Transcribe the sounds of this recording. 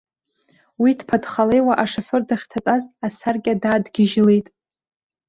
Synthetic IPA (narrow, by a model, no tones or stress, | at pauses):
widpʰadχale̞jwaʔaʂaħʷɨrdaχʲtʰatʼazasarkʲʼadaːdɡʲɪʒle̞jtʼ